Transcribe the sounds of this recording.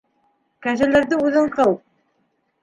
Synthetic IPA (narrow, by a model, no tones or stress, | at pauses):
kæʒɘ̆læɾd̪ɘʉðɤɴqʰɤlˠ